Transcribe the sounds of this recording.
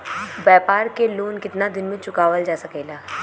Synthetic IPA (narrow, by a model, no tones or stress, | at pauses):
bɛːpaːɾkeloːnkɪt̪nad̪ɪnmẽt͡ʃʊkaːʋəld͡ʒaːsɐkɛːlaː